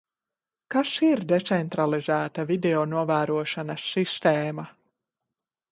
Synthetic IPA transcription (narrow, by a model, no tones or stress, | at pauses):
kasiɾd̪et̪sɛnt̪ɾalˠizæːt̪avid̪eonuɔvæːɾuɔʃanɐsːist̪eːma